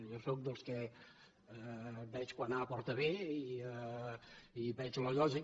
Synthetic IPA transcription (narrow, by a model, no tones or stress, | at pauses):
ʒosok̚d̪əlˠskɛ | bɛt͡ʃkwanapɔrt̪əβei | ibɛt͡ʃləʎɔʒi